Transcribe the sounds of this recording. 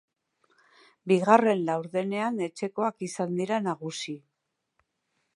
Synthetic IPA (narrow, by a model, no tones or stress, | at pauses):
biɣare̞nlawɾðe̞ne̞ane̞t͡ʃe̞ko̞akisand̪iɾanaɣ̞usi